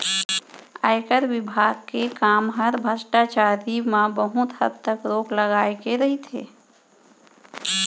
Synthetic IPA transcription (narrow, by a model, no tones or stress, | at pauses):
a̰ɪkəɾwɪbʱaːɡ̚kekaːmɦəɾbʱət͡ʃʈat͡ʃaːɾimãbəɦʊt̪həd̚t̪əkɾoːkləɡaːjkeɾəɦit̪ʰḛː